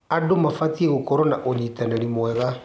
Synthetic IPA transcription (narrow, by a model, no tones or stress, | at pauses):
adomafatieɣokɔɾɔnaʔoɲitanɛɾimwɛɣa